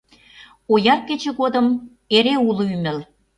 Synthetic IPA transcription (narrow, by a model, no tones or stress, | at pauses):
ojɑr̚ket͡ɕĕɣod̪əm | eɾeuloymɘ̆l